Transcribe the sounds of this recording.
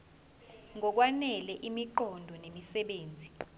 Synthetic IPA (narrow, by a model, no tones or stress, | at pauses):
ŋʱɔk̬wanɛlɛʔimiǃɔndʱɔnemisɛɓeːnd͡zʱi